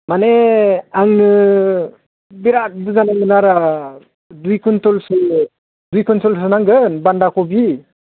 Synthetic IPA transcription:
maneaŋnɯ | biɾat̚dɯzanamɯnaɾa | dujkʰunt̪ɔlsɯ | dujkʰɔntɔls̬ɯnaŋɡɯnbandakʰɔbi

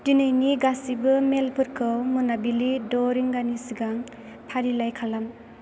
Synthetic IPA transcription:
dinɯjniɡasibɯmelpʰɯɾkʰɯwmunabilidɔɾiŋɡanisiɡaŋ | pʰaɾilajkʰalam

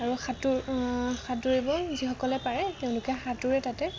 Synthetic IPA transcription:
aɹuxatuɹxatuɹibɔzixɔkɔlɛpaɹɛteʊ̃lʊkɛxatuɹɛtatɛ

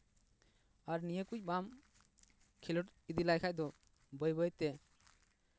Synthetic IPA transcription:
aɾnijekuc̚bam | kʰilɔʈid̪ilajkʰajd̪ɔ | bəjbəjt̪e

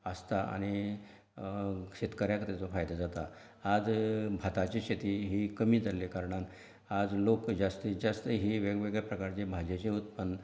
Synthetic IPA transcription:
əst̪aʔa̰ɽ̃i | ɕet̪kaɾjakət̪ɛt͡sofajd̪ad͡zat̪a | ad͡zbʱat̪at͡ɕiɕet̪iːɦikəmiːd͡zʱalekaɾɳan | ad͡zlokd͡zast̪id͡zast̪əɦiʋeɡʋeɡɭapɾəkaɾt͡ɕebʱad͡ʑet͡ɕeɦut̪pəɳ

